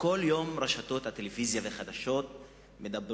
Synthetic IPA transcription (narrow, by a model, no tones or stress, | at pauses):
ko̞ljo̞mʁaʃato̞t̪hat̪elevizjaveχad̪aʃo̞t̪ | me̞d̪ab